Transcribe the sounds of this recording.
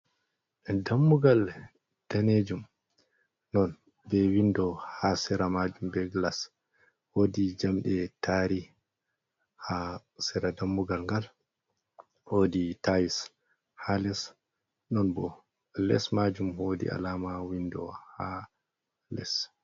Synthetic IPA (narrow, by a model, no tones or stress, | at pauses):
damːuɡal | d̥aned͡ʒum | nɔn | bɛwindɔhasɛɾamad͡ʒumbɛɡlas | wodid͡ʒamɗɛtaɾi | ha | sɛɾadamːuɡalŋɡal | hoːditajis | halɛs | nɔnbɔ | lɛ̰smad͡ʒumhodḭa̰laːmawindɔ̰ha | lɛ̰s